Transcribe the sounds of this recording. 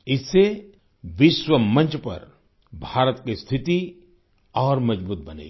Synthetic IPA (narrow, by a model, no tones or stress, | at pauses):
ɪsːe | ʋɪʃwəmɐ̃nt͡ʃpɐ̰ɾ | bʱaːɾət̪kist̪ʰɪt̪i | ɔːɾmɐd͡ʒbuːt̪̚bɐnḛː